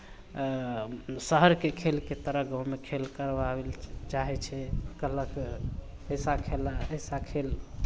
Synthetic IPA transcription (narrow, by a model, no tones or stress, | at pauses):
səɦəɾkekʰelket̪əɾəɡãwmekʰelkəɾbaelt͡ʃaɦɛt͡ʃʰɛkələk | əjsakʰeləjsakʰel